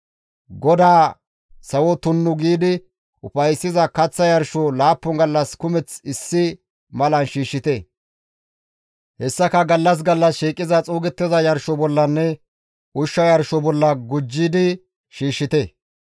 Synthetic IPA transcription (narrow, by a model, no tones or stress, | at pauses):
ɡɔd̪aː | sɐwɔt̪ʊnːʊɡiːd̪ɪ | ʔʊfɐjsːɪzɐkɐt͡sːɐjɐɾʃɔlaːpːʊŋɡɐlːɐskʊmɛt͡sɪsːɪ | mɐlɐnʃiːʃːɪt̪ɛ | hɛsːɐkɐɡɐlːɐs̬ɡɐlːɐsʃiːkʼːɪzɐt͡sʼuːɡɛt̪ːɪzɐjɐɾʃɔbɔlːɐnːɛ | ʊʃːɐjɐɾʃɔbɔlːɐɡʊd͡ʒːɪd̪ɪ | ʃiːʃːɪt̪ɛ